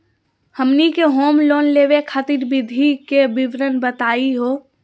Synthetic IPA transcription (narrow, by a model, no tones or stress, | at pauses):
həmnikeɦoːmloːnleːʋekʰat̪iɾbɪd̪ʱikebɪʋɾənbət̪aːiɦoː